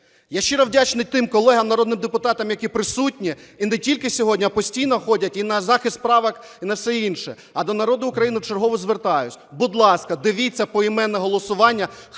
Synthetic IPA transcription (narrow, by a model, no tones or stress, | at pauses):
jaʃt͡ʃːɪɾɐwdʲat͡ʃnɪt̪ɪmkɔlˠɛɦɐmnɐɾɔd̪nɪmd̪epʊt̪ɑt̪ɐmjɐkʲipɾɪsutʲnʲiːnɛtʲilʲkɪsʲɔɦɔdʲnʲiɐpɔsʲtʲijnɔxɔdʲɐtʲinɐzɑxɪst̪pɾɑʋɐk | inɐwsɛinʃɛ | ɐd̪ɔnɐɾɔd̪ʊʊkɾɐjinɪt͡ʃɔrɦɔʋɔzʋert̪ɑjʊt͡sʲbʊd̪lˠɑskɐd̪ɪʋʲit͡sʲːɐpɔimɛnːɛɦɔlˠɔsʊʋɑnʲːɐ